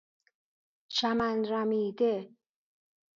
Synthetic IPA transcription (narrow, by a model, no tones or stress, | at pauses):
ʃæmænɾæmiːd̪e